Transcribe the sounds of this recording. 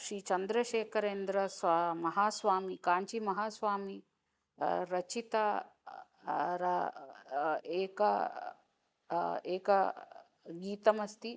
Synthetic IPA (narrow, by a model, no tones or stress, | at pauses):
ʃɾiːt͡ʃɐnd̪ɾɐʃeːkʰɐɾeːnd̪ɾɐsaːmɐɦaːsʋaːmikaːɲt͡ʃimɐɦaːsʋaːmi | ɾɐt͡ʃit̪a | ɾɐ | eːkɐ | eːkɐ | ɡiːt̪ɐmɐst̪i